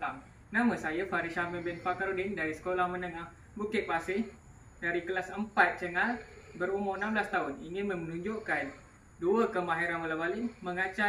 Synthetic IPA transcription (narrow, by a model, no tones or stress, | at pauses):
aŋ | nãmãsajafaɾiʃamɛbɛnfakaɾodɪndaɾisə̥kolahmənəŋah | bukɪt̪̚pasɪh | daɾikəlasəmpat̪̚t͡ʃəŋal | bəɾumoənãmbəlast̪aʊniŋɪnmə̃mənũɲd͡ʒoʔkan | duəkəmaɦeɾanwalabaliməŋat͡ʃa